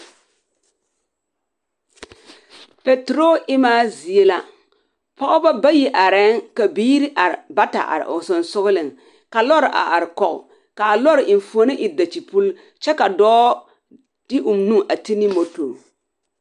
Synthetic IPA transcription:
pe˨tɾo˦ʔɪ˦maː˦zi˨e˦la˨ | pɔ˦ʔɔ˦ba˦ba˦ji˦ʔa˨ɾɛ˦ŋka˨biː˦ɾi˦ʔa˨ɾɪ˨ba˦ta̰˨ʔa̰˨ɾɪ̰˨ʔʊ˨sʊ˨nsʊ˦ɣʊ˦lɪ˨ŋ | ka˨lɔ˦ɾʔa̰˨ʔa˨ɾɪ˨kɔ˨ʔ | ka˨a˨lɔ˦ɾɪ˨ʔɪ˨n˨fu˨o˨˦nɪ˦ʔɪ˨da˨t͡ʃi˨pu˦l | t͡ʃɛ˦ka˨dɔː˦ | d̥ɪ˦ʔʊ˨mnũ˦ŋʔa˨ti˦nɪ˦mo˨to˨

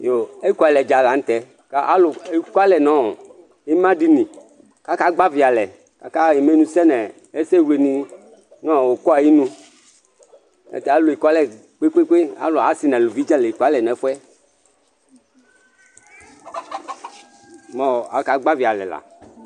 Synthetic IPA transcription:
jo˨e˦kʷɛ˨lɛ˨d͡ʒa˨la˨ŋ̩˦t̪ɛ˨ | ka˨˦ʔa˦lʊ˨e˦ka˦lɛ˨nɔ̃˦˨ | i˦mã˦di˦nĩ˨ | ka˨˦ka˦ɡ͡ba˦vi˨a˨lɛ˨ | ka˨ka˦˨ji˨mẽ˦nũ˦sɛ˦nɛ̃˨ | e˦se˦we˨nĩ˨ | nɔ̃˦˨o˨kɔ˦a˨ji˦nũ˦ | ḛ˦t̪ɛ˨a˦lu˨i˨kʷa˦lɛ˨ | k͡pe˦k͡pe˦k͡pe˦a̰˦lo˨a˨˦si˨nɛ̃˨lu˨vi˦d͡ʒa˦lɛ˨i˨kɔ˨a˦lɛ˨nɛ̃˨˦fɛ˦ | mɔ̃˦˨a˨ka˨ɡ͡ba˦vi˨a˨lɛ̰˨la̰˨

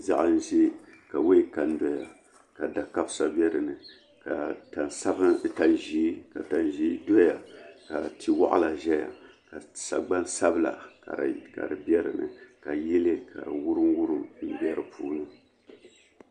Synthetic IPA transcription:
za̰˨ʔa˦n̩˦ʒe˦ka˨we˦i˦ka˨n˦dɔ˦ja˨ | ka˨da˨ka˦bsa˦bɛ˦ɾɨ˨nɨ˨ | ka˨ta˨sa˦bta˨nʒiː˦ka˨ta˨nʒiː˦do˦ja˨ka˨tʰi˦wa̰˦ʔa̰˦la˨ʒɛ˦ja̰˨ | ka˨sa˨ɡ͡ba˦n˦sa˦bɨ˦la̰˨ka˨ka̰˨ɾɨ˨bɛ˦ɾɨ˨nɨ̰˨ka˨jɛ˦le˦ka̰˨ɾɨ˨wu˦ɾɨ˦n˦wu˦ɾu˦m̩˨bɛ˦ɾɨ˨pʰuː˦nɨ˦

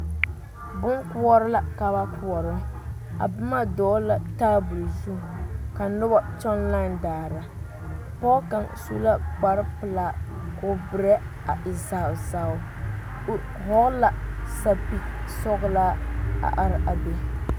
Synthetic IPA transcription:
bʊ˦ŋku˦ɔ˦ɾɨ˦la˦ka˨βa˦kʰu˨ɔ˨ɾʊ˦ | a̰˨bɨ˦ma˦dɔː˦la˨taː˦bu˨lzu˦˨ka˨nʊ˦ba˦t͡ʃɔ˦nla˦ndaː˨ɾa˨ | pɔ˦ka˨nsṵ˦la˦k͡pa˦ɾɨ˦pɨ˨la˦˨ko˨bɨ˨ɾɛ˦ | a˨ʔɪ˨za˨zaː˦˨ʊ˦˨ | ɦɔ˦ɣla˦˨sa˦pi˦sɔ˦ɣlaː˦a̰˨ʔa˨ɾɪ˨ʔa˨be˨

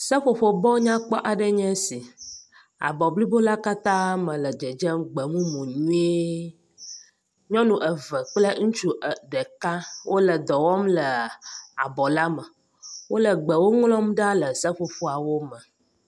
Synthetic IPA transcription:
sə˦ɸo˨ɸo˨bɔ˦ɲã˦k͡pɔ˦ʔa˨ɖə˦ɲɛ̃˦si˨ | a̰˨bɔ˨bli˦bo˦la˦ka˦t̪ã˦mə̃˨lə˨d͡ʒə˨d͡ʒɛ˦mɡ͡bə˨mũ˦mõ˨ɲũ˦e˦ | ɲɔ̃˦nũ˨ʔə˨və˨k͡plə˦ŋũ˦t͡ʃu˦˨ɖə˨kã˦wʔo˦lə˨d̪ɔ˨wɔ˦mlə˨a̰˨bɔ˨la˦mə˨ | wo˦lə˨ɡ͡bə˨wo˦ŋlɔ̃˦mɖa˦lə˨sə˦ɸo˨ɸo˦a˨wo˦mə˨

